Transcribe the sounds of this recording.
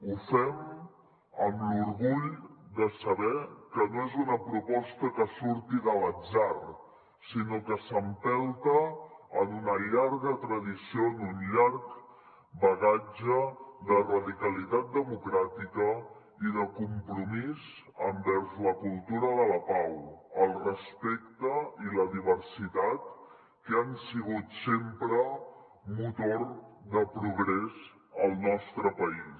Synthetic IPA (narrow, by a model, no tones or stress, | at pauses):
ufɛm | əmluɾɣuʎd̪əsəβɛkənoɛzunəpɾupɔst̪əkəsuɾt̪iðələd͡zar | sinokəsəmpɛlˠt̪əənunəʎaɾɣət̪ɾəðisionunʎark | bəɣad͡ʒəðərəðikəlit̪at̪̚d̪əmukɾat̪ikə | iðəkumpɾumiz | əmbɛɾzləkulˠt̪uɾəðələpawəlˠrəspekt̪əiləðiβ̞əɾsit̪at̪̚ | kəansiɣ̞ut̪sempɾə | mut̪oɾðəpɾuɣɾɛz | əlˠnɔst̪ɾəpəis